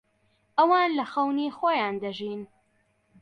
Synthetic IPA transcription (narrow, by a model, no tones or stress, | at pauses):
ʔɐwaːnlɐxɐwnixoːjaːnd̪ɐʒin